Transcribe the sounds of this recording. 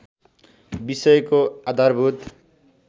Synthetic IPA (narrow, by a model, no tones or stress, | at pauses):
bisʌjkoad̪ʱarbʱut̪